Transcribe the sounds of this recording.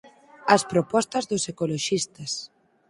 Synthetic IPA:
ɐspɾopɔst̪ɐzðʊsekoloʃist̪ɐs

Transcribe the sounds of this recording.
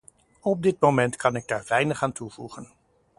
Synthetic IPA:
ɔb̚dɪt̚mowmɛntkɑnɪɡ̚daːɹvɛjnəχaːntuvṵχən

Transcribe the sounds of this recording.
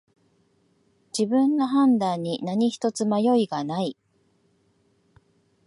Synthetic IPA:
d͡ʑibɯ̟̃nːo̞ɦãnd̪ãɲ̟ːinaɲ̟içi̥t̪o̞t͡sɨmajo̞iɡanai

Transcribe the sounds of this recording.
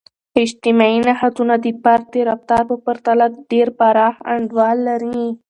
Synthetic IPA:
ɪd͡ʒt̪ɪmɑinahat̪unad̪əpaɾd̪eɾaft̪ɑɾbapəɾt̪alak̚ɖeɾpaɾɑha̰ɳɖwɑlːaɾi

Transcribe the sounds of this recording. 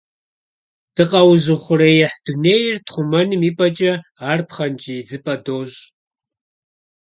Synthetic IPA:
d̥ɨqʼɐwzɨχʷʊɾɐjɛħd̥uneːjɪrtχʷʊmɐnɨmiːpʼɐt͡ʃʼɐaːrpχɐnt͡ʃʼid͡zɨpʼɐdoːɕ

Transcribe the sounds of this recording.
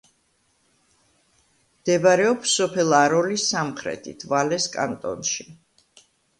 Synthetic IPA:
md̪̥ɛbaɾɛɔpsɔpʰɛlˠaɾɔlisːamχɾɛ̰t̪ʰḭt̪ʰvalɛskʼa̰nt̪ʼɔ̰nʃi

